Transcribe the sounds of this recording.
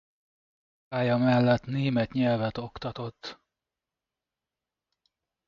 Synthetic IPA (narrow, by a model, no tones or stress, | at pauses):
aːjɒmɛlːɛt̪neːmɛt̪ɲɛlvɛt̪o̞kt̪ɒt̪o̞t̪ː